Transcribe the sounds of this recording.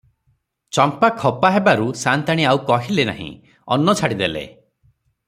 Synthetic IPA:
t͡ʃɔmpakʰɔpaɦebaɾusant̪aɽ̃iawkɔɦilena̰ɦḭ̃ | ɔ̰nːɔt͡ʃʰaɽid̪elḛ

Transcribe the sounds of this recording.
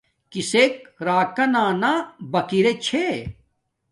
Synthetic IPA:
kisek̚ɾaːkɐnãːnabɐkiɾet͡ɕʰe

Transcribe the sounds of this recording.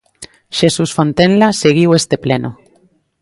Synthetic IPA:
ʃesusfõnt̪enlaseɣ̞iwest̪epleno

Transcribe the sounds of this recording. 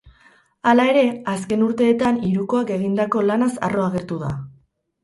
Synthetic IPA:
alae̞ɾe̞aske̞nuɾt̪e̞ːt̪aniɾuko̞ake̞ɣ̞ind̪ako̞lanasa̰ro̞aɣ̞e̞ɾt̪uða̰

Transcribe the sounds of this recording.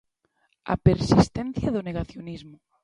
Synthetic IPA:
a̰peɾsist̪ɛ̃nθjaðoneɣaθjonizmʊ

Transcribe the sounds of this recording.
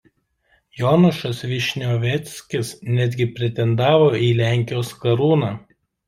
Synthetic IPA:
jɔnʊʃɐsʋʲɪʃʲnʲoːʋʲɛt̪sʲkʲɪsnʲæd̪ʲɡʲɪpʲɾʲɛt̪ʲɛnd̪ɑːʋoːiːlʲæˑŋʲkʲɪjoːskɐɾuːnɑː

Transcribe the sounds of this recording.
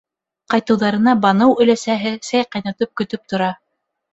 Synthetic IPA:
qɑjt̪ɤ̆wðɑɾɤ̆nɑbɑnɤwɵ̆læsæɦɘsæjqɑjnɑt̪ɤp̚kɵ̆t̪ɵp̚t̪ŏɾɑ

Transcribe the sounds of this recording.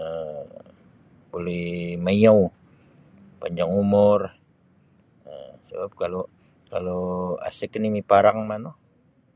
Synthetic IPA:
ə | bolɛhmaijaw | paɲd͡ʒaŋumʊr | əsəbap̚kalo | kaloa̰sɪknimipaɾaŋmano

